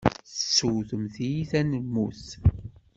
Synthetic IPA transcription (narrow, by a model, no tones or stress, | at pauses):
θəsːuθəmθijiθænəmːuθ